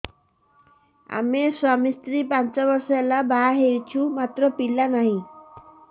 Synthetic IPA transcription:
a̰mesamist̪ɾipant͡ʃɔbɔɾsɔelabaɦewt͡ʃʰumat̪ɾɔpilanaɦĩ

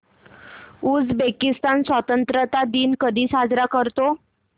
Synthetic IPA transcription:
uːd͡zbekist̪ansʋət̪ənt̪ɾət̪ad̪iːnkəd̪ʱiːsad͡zɾakəɾt̪o

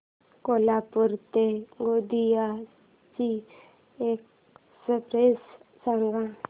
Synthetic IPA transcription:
kolapəɾt̪eɡod̪ija | t͡ɕi | ek̚ | səpɾessaŋɡa

